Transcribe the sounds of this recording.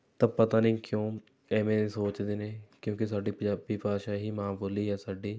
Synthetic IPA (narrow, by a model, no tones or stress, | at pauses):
t̪ɐ̃pət̪aːnĩːkjõː | ɛːmẽːsoːt͡ʃd̪eːneːkjõːkes̬aːɖiːbipaːʃaɦiːmãːboːliːɦɛːsaːɖiː